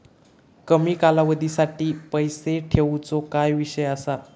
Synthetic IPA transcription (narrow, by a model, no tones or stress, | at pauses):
kəmiːkalaʋəd̪ʱisaʈiːpəjseʈʰeʋt͡sokajʋiɕəjəsa